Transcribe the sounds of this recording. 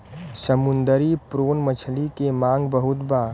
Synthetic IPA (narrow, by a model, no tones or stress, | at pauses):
səmʊnd̪əɾipɾoːnmət͡ʃʰlikemãːŋɡbəɦʊt̪baː